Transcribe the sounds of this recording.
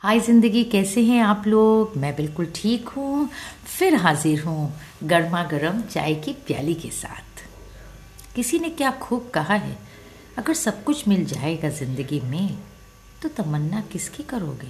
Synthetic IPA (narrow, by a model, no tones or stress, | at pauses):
haːizɪ̃nd̪əɡikɛːseɦɛ̃aːploːɡmɛ̃bɪlkʊlʈʰiːkɦũ | fɪɾɦaːzɪɾɦũ | ɡɐɾmaɡɐɾəmt͡ʃa̰ːekipja̰ːlikesa̰ːt̪ʰ | kɪsinekjaːkʰuːb̚kɐɦaɦɛ̰ː | ɐɡəɾsɐb̚kʊt͡ʃʰmɪld͡ʒa̰ːeɡazɪ̃nd̪əɡimẽ | t̪ot̪ɐmənːakɪskikɐɾo̰ːɡeː